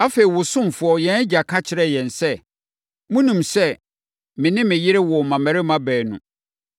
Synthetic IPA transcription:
a˦fe˨i˨wʊ˨sʊ̃˦m˨fʊ˨ɔ˦jɛ̃˨˦n˦d͡ʑa˨kʰa˦t͡ɕʰɪ˨˦ɾɛ˦jɛ̃˨nsɛ˦ | mũ˦nũ˨msɛ˦ | mɪ̃˨nɪ̃˦mɪ̃˨jɪ˦ɾɪ˦wɔ˨mã˨mæ̃˨ɾɪ˦mã˦bɛː˨nʊ̰̃˨

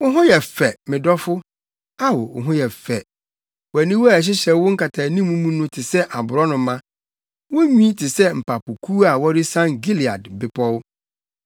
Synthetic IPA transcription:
wʊ˦ɦʊ̃˦jɛ˨fɛ˨mɪ̃˨dɔ˦fʊ˦ | a˦wʊ˨ʊ̰˨ɦʊ̃˦jɛ˨fɛ˨ | wɔ˨æ˨nĩ˦wu˦a˨ɕ̬ɪ˦ɕɛ˨˦wʊ˦ŋ̩˦kʰa˨tʰaː˨nĩ˦mũ˦mũ˦nʊ̃˦tʰɪ˨sɛ˦ʔa˨bʊ˨ɾɔ˦nʊ̃˨˦mã˦ | wʊ˦ɲĩ˦tʰɪ˨sɛ˦m̩˨pa˨pʊ˨kʰu˦a˨wɔ˦ɾɪ˦sã˦ŋɡi˦li˨a̰˨dbɪ˨˦pʰɔ˦w

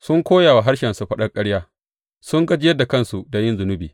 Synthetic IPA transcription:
sʊ˦ŋkʷoː˦jaː˨wa˨ɦa˦ɽʃɛ˨nsu˨ɸɐ˦ɗɐ˦rkʼɐ˦ɽjaː˦ | sʊ˦ŋɡɐ˦d͡ʒɪ˦jɐ˦da˨kɐ˦nsu˨da˨jɪ˦nzʊ˨nʊ˦biː˨

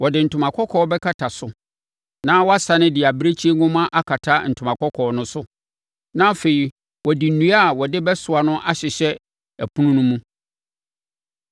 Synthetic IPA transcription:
wɔ˨dɪ˨n̩˨tʰʊ̃˨mã˨kʰɔ˦kʰɔː˦bɛ˦kʰa˦˨tʰa˨sʊ˨ | nã˦wɔ˦a˦sa˨nɪ̃˦dɪ˨a˨bɾe˦t͡ɕʰi˦e˦ŋʊ̃˦mã˦ʔa˦kʰa˨tʰa˦n̩˨tʰʊ˨mã˨kʰɔ˦kʰɔː˨nʊ̃˦sʊ˦ | nã˦fe˨i˨ | wɔ˨di˨n̩˨nũ˦a˦˨wɔ˨dɪ˦bɛ˦sʊ˨a˨nʊ̃˦ʔa˦ɕɪ˨ɕɛ˦ | æ˨pʰu˦nũ˦nũ˦mũ˦

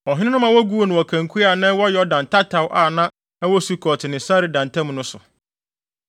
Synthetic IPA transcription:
ɔ˨ɦɪ̃˦nɪ̃˦nʊ̃˦mã˨wɔ˦ɡu˦o˨nʊ̃˨wɔ˨kʰã˨ŋ˨kʰu˦a˨nã˦wɔ˦jɛ˨ɔ˦dã˨ntʰa˦tʰa˨wʔa˨nã˦ | ɛ˦wɔ˦su˦kʰɔ˨tʰɪ˨nɪ̃˨sa˦ɾɪ˨dã˨n˨tʰã˦m̃˨nʊ̃˦sʊ̰˨

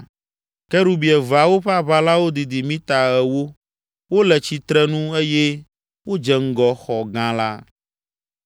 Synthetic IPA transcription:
kɛ˦ɾu˦bi˨ɛ˨va˨wo˦ɸɛ˦a˦βa˦la˦wo˦d̪i˨d̪i˨mĩ˦t̪a˨ɛ˨wo˦ | wo˦lɛ˨t͡ɕi˨t̪ɾɛ˦nũ˦e˦jɛ˦ | wo˦d͡ʒɛ˨ŋ̩˦ɡɔ˨xɔ˨ɡã˦la̰˦

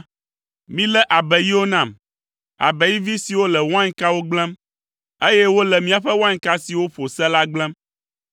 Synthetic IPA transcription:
mĩ˦lɛ˦ʔa˨bɛ˨ji˦wo˦nã˦˨m | a̰˨bɛ˨ji˦vi˦si˨wo˦lɛ˨wã˦ɲ˦ka˦wo˦ɡ͡blɛ̃˦m | e˦jɛ˦wo˦lɛ˨mĩ˦a˨ɸɛ˦w̃ã˦ŋ˦ka˦si˨wo˦ɸo˨sɛ˦la˦ɡ͡blɛ̃˦m

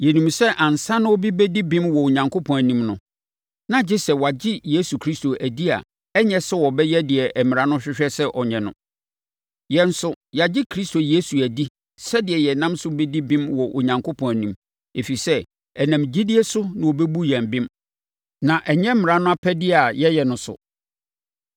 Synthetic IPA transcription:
jɛ˨nũ˨msɛ˦ʔã˨n̩˨sã˦nʊ̃˦o˦bi˦bɛ˦di˦bĩ˦mwɔ˨o˨ɲã˨ŋkʰo˦pʰɔ̃˨æ˨nĩ˦mnʊ̃˨ | nã˨d͡ʑɪ˦sɛ˨wa˨d͡ʑɪ˦je˦su˨kʰɾi˦sto˨ʔæ˨di˦a̰˨ | ɛ˦ɲɛ̃˦sɛ˦wɔ˨bɛ˦jɛ˦dɪ˨ɛ˨ʔɛ˨mɪ̃˨ɾã˦nʊ̃˦ɕᶣɪ˦ɕᶣɛ˦sɛ˦ʔɔ˨ɲɛ̃˨nʊ̰̃˦ | jɛ̃˨n˦sʊ˦ | ja˨d͡ʑɪ˦kʰɾi˦sto˨jeː˦su˨æ˨di˦ | sɛ˦dɪ˨ɛ˨jɛ˨nã˦msʊ˦be˦di˦bĩ˦mwɔ˨ʔo˨ɲã˨ŋkʰo˦pʰɔ̃˨næ˨nĩ˦m | e˨fi˨sɛ˦ | ɛ˨nã˨md͡ʑi˦dɪ˦ɛ˦sʊ˦nã˨wo˨bɛ˦bu˦jɛ̃˨mbɪ̃˦m | nã˨ʔɛ˨ɲɛ̃˦m̩˦m˨ɾã˦nʊ̃˦a˦pʰæ˦dɪ˦a˨jɛ˦jɛ˨nʊ̃˨sʊ̰˨

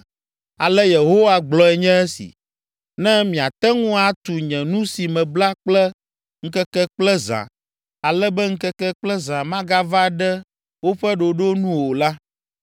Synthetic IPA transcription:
a˨lɛ˦je˨ɦo˦wa˦ɡ͡blɔ˦ɛ˨ɲɛ̃˦ɛ˦sḭ˨ | nɛ̃˦mĩ˨a˨t̪ɛ˦ŋũ˦a˦t̪u˨ɲɛ̃˨nũ˦si˨mɛ̃˨bla˦k͡plɛ˦ | ŋ̩˦kɛ˦kɛ˦k͡plɛ˦zã̰˨ | a˨lɛ˦bɛ˦ŋ̩˦kɛ˦kɛ˦k͡plɛ˦zã˨mã˦ɡa˦va˦ɖɛ˦ | wo˦ɸɛ˦ɖo˨ɖo˦nũ˦wo˨la˦

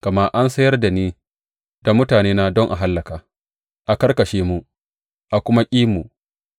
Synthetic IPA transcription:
kɐ˨ma˦ʔa˦nsɐ˦jɐ˦rda˨niː˦ | d̥a˨mʊ˦taː˨neː˦na˦dɔ˦ŋʔa̰˨ɦa˦lːɐ˨kaː˨ | ʔa˨kɐ˦rkɐ˨ʃeː˦mu˦ʔ | ʔa˨kʷʊ˦ma˦kʲʼiː˦mu˨

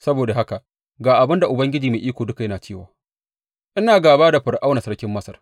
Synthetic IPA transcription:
sɐ˦boː˨da˨ɦa˦ka˨ | ɡaː˨ʔa˨bɪ˦nda˨ʔʊ˨bɐ˦ŋɡʲɪ˦d͡ʒiː˨meː˨ʔiː˦kʷoː˨dʊ˦ka˨jɐ˦naː˨t͡ʃeː˦˨waː˨ | ʔɪ˦naː˨ɡaː˨baː˦da˨ɸɪ˨ɽʔa˦wna˨sɐ˦ɽkʲɪ˦mːɐ˦sɐ˨r

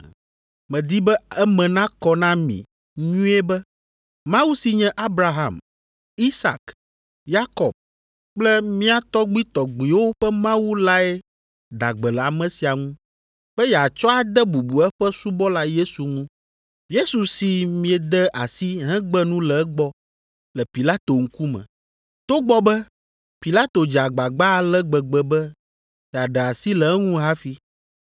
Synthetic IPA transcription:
mɛ̃˨d̪i˦bɛ˦ɛ˦mɛ̃˨nã˦kɔ˦nã˦mḭ̃˨ | ɲũ˦ɛ˦bɛ˦ | mã˦wu˦si˨ɲɛ̃˦ʔa˦bɾa˨ɦã̰˨m | i˦sa̰˨k | ja˦kɔ˨b̚ | k͡plɛ˦mĩ˦a˦t̪ɔ˦ɡ͡bi˦t̪ɔ˨ɡ͡bi˨wo˦ɸɛ˦mã˦wu˦la˦ɛ˦ | d̪a˨ɡ͡bɛ˨lɛ˨a˨mɛ̃˨si˨a˨ŋũ˦ | ɸɛ˦jɛ˨a˨t͡ʃɔ˦a˨d̪ɛ˦bu˨bu˨ɛ˦ɸɛ˦su˦bɔ˦la˦je˦su˨ŋũ˦ | je˦su˨si˨mĩ˦ɛ˨d̪ɛ˦ʔa˨si˦ɦɛ̃˦ɡ͡bɛ˦nũ˦lɛ˨ɛ˦ɡ͡bɔ˦ | lɛ˨pi˨la˦t̪o˨ŋ̩˦ku˦mɛ̰̃˨ | t̪o˦ɡ͡bɔ˦bɛ˦ | pi˨la˦t̪o˨d͡ʒa˨ɡ͡ba˨ɡ͡ba˦˨lɛ˦ɡ͡bɛ˨ɡ͡bɛ˨bɛ˦ | jɛ˨a˨ɖɛ˨a˨si˦lɛ˨ɛ˦ŋũ˦ɦa˦fi˦

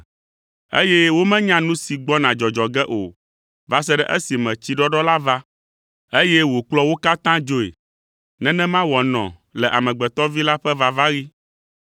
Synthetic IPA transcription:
ḛ˦jɛ˦wo˦mɛ̃˦ɲã˦nũ˦si˨ɡ͡bɔ˦nã˨d͡ʒɔ˨d͡ʒɔ˨ɡɛ˦ʔo̰˨ | va˦s̬ɛ˦ɖɛ˦ʔɛ˦si˨mɛ̃˨t͡ɕi˦ɖɔ˦ɖɔ˦la˦va˦ | e˦jɛ˦wo˨k͡plɔ˦wo˦ka˦t̪ã˦d͡ʒo˦ḛ˨ | nɛ̃˦nɛ̃˦mã˦wɔ˨nɔ̰̃˨lɛ˨ʔa˨mɛ̃˨ɡ͡bɛ˨t̪ɔ˦vi˦la˦ɸɛ˦va˨va˦ɣi˦

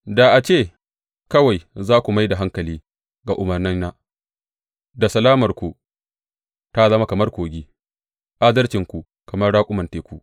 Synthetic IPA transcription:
da˨ʔa˨t͡ʃeː˦˨ | kɐ˦wa˨jzaː˦kʷu˨ma˦jda˨ɦa˦ŋkɐ˨liː˦ | ɡa˨ʔʊ˨mɐ˨rnɪ˦nːa˦ | da˨sɐ˨laː˦mɐ˨rkʷu˨ | ta˦zɐ˦ma˦kɐ˨mɐ˦rkʷoː˨ɡʲiː˦ | ʔa˦dɐ˦rt͡ʃɪ˨ŋkʷu˨ | kɐ˨mɐ˦rɽaː˦kʷʼʊ˦mɐ˨nteː˨kʷu˦ʔ

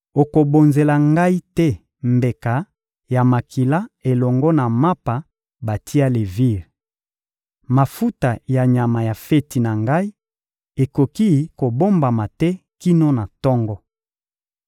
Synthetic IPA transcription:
o˨ko˨bo˨nze˨la˨ŋɡa˦i˦tɛ˦ | mbe˨ka˨ | ja˨ma˨kʰi˨la˦e˨lɔ˨ŋɡɔ˦na˨ma˦pa˨ | ba˨tʰi˦a˦le˨vi˦˨ʁ | ma˨fu˦ta˨ja˨ɲa˨ma˨ja˨fe˦ti˨na˨ŋɡa˦i˦ | e˨ko˨ki˦˨ko˨bo˦mba˨ma˨tɛ˦ki˦no˦na˨tɔ˦ŋɡɔ˦

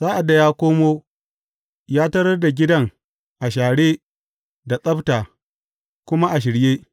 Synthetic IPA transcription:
z̥aː˦ʔa˨dːa˨jaː˦kʷoː˦moː˦ | jaː˦tɐ˦ɾɐ˦rda˨ɡʲɪ˦dɐ˦ŋ | ʔa˨ʃaː˨ɽeː˦ | da˨sʼɐ˦btaː˨ | kʷʊ˦ma˦ʔa˨ʃ̬ɪ˨ɽjeː˦

